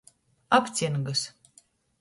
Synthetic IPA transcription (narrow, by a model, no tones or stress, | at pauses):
apt̪sʲinɡɨs